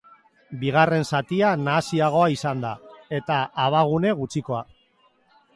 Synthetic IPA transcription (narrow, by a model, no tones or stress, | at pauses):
biɣ̞are̞nsat̪ianaːsiaɣ̞o̞aisand̪ae̞t̪aʔːβ̞aɣ̞une̞ɣut͡ʃiko̞a